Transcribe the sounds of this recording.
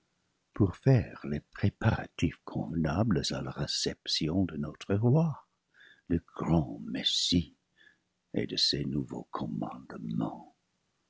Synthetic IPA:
puʁfɛʁlepχepaʁa̰t̪ifkʰɔ̰̃vənabləzalaʁɛsɛpsjɔ̃d̪ənɔt̪χəʁwa | ləɡ̥ʁɑ̃mɛsi | ḛd̪əsenuvo̰kʰɔ̃mɑ̰̃d̪mɑ̃

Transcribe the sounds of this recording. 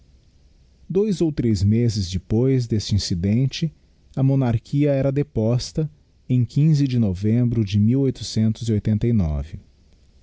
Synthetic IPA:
d̪ojzowt̪ɾezmezɪzd͡ʒɪpojzd̪est͡ʃɪĩsid̪ẽnt͡ʃɪ | ɐmõnaɾkʰiɐɛɾɐd̪epɔst̪ɐ | ẽj̃kʰĩzɪd͡ʒɪnovẽmbɾʊd͡ʒɪmiwojt̪ʊ̥sẽnt̪ʊziojt̪ẽnt̪ɐjnɔ̰vɪ

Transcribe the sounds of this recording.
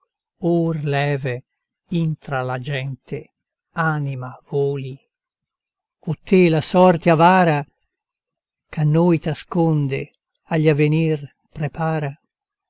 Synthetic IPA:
orlɛːve | int̪ɾalad͡ʒɛnt̪ʰe | aːnimavoːli | ot̪ːelasɔrt̪eavaːɾa | kanːojt̪askond̪e | aʎːavenir | pɾepaːɾa

